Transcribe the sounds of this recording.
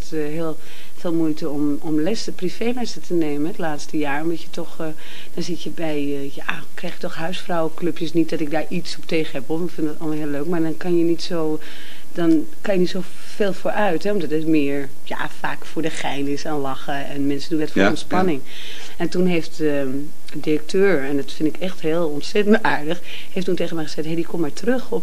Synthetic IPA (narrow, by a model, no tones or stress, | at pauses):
t | ɦɪːlˠ | feːlˠmujtəɔm | ɔmlɛsəprifeːlɛstətʰəneːmənɛtlaːtstəjaːɹɔmdɑtjətʰɔx | d̥ɔnzɪtjəbɛj | jaː | krɛjxjətɔxɦœɥsfrawəkløpjəsnit̚dɔtɪk̚daːɹʔisɔp̚teːχəhɛpʋolˠɪkfɪndədtɑlˠməlˠɦɪːløːkmaːɹdɑnkɑnjənitsoː | d̥ɔn | kɑnjənitso | feːlˠfoːɹʔœɥtɦɛɔmdɑtətmɪːɹ | ja̰fa̰ːkfʊːɹdəxɛjnɪsanlɑxəɛnmɛnsədunɛtfoɔ̃ntspɑnɪŋ | ɛntunɦeːft | ə | dirək̚tʰøːɹɛndɔtfɪndɪkɛxtɦɪːlˠɔntsɛtəntaːɹdəx | heftuntejɣəmɛjχəz̥ɛtɦedikɔmːaːɹtrøxɔp